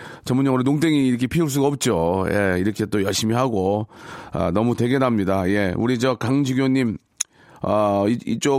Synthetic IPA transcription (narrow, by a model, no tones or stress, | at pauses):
t͡ɕʌmuɲːʌŋɯɾɯnoŋdeŋiːɾɯkʰe̞pʰiuɭs̬͈uɡaʌp̚t͡ɕ͈oje̞̰iɾʌkʰet͈ojʌɭɕ͈imiɦaɡo | ʌ̰nʌmute̞ɡe̞namɲidaje̞uɾid͡ʑʌkaŋd͡ʑiɡjoɲːim | ʌiit͡ɕ͈o